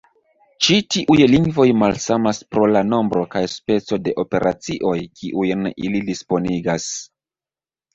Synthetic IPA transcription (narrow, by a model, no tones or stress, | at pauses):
t͡ʃitiʔujliŋɡvo̞jmalsamaspɾo̞lano̞mbɾo̞kajspe̞t͡so̞de̞ʔo̞pe̞ɾʔat͡siʔo̞jkʰiʔujnḭlidispo̞niɡas